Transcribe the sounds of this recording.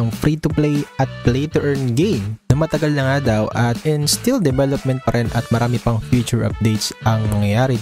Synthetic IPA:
ɐŋfɾit̪ʊplejɐt̪̚plejt̪ɛʔɛnɡejmnɐmɐt̪ɐɡɐlnɐŋad̪ɐwʔɐt̪̚ɪnst̪ild̪ɛbɛlop̚mɛnt̪̚pɐɾʔɛnʔɐt̪̚mɐɾʔaːmɪpɐŋfjut͡ʃʊɹʔɐ̰p̚d̪ejt̪sɐŋnɐŋjɐjaːɾɪ

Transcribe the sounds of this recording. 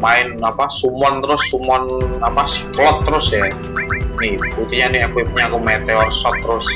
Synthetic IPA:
maɪnapasumɔnt̪əɾʊsːumɔnapasi̥klɔt̪ːəɾʊsja | nɪkut̪iɲanɪhɛkwip̚ɲakumet̪eɔsɔt̪ːəɾʊs

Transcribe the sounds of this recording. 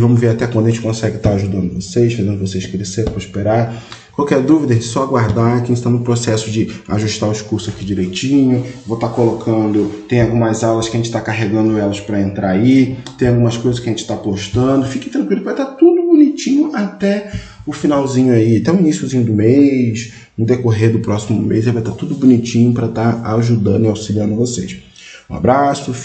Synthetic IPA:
vɐ̃mʊzveɾat̪ɛkwɐ̃d̪ɐẽt͡ʃɪkõsɛɡɪt̪aɾaʒud̪ɐ̃nd̪ʊvosejsfazẽnd̪ʊvosejʃkɾeseɾpɾɐispeɾaɾ | kwawkɛɾd̪uvid̪ɐʒẽd͡ʒɪt͡ʃɪsɔaɡwaɾd̪aɾkẽʃt̪anʊpɾosɛsʊd͡ʒɪaʒuʃt̪aʊwɪʃkuɾsʊakid͡ʒiɾejt͡ʃĩɲʊvot̪akolokʰɐ̃nd̪ʊt̪ẽj̃awɡũmɐzawlɐskʲɪɐʒẽnt͡ʃɪ̥t̪akaɦeɡɐ̃nd̪ʊɛlɐspɾɐẽnt̪ɾaait̪ẽj̃awɡũmɐskojzɐsʃkʲɪɐʒẽnt͡ʃɪ̥t̪apoʃt̪ɐ̃d̪ʊfikɪ̥t̪ɾɐ̃ŋkwilʊpvajt̪at̪ud̪ʊbunit͡ʃĩɲʊʔat̪ɛ | ʊfinawzĩɲʊaiat̪ɛʊ̃inisjʊzĩɲʊd̪ʊmejʃ | ũd̪ekoɦed̪ʊpɾɔsimʊmejzevajt̪at̪ud̪ʊbunit͡ʃĩɲʊpɾɐt̪aaʒud̪ɐ̃nd̪ʊɪawsiliɐ̃nd̪ʊvosejʃ | ũa̰bɾasʊ

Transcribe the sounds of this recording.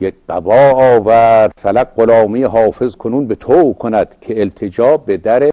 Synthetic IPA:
jekɢ̥æbɒːɒːvæɾd̪̥sælæɡ̚ɢolɒːmijeɦɒːfezkʰonuːnbet̪ʰokʰonæd̪̥kʰeːlt̪ʰed͡ʒɒːbed̪æɾe

